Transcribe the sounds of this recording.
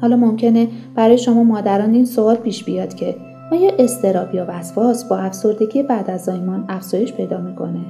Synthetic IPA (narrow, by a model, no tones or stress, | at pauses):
hɒːlɒːmo̞mcʰe̞neb̥æɾɒːje̞ʃo̞mɒːmɒːd̪æɾɒːniːnsoɒːlpʰiːʃbijɒːd̪̥cʰe̞ | ɒːjeʔe̞st̪ʰe̞ɾɒːbjɒvæsfɒːsbɒːæfso̞ɾd̪e̞ɟʲijebæd̪æzd̪ɒːmɒːnæfz̥ɒːje̞ʃpʰe̞jd̪ɒːmiːkʰo̞̰ne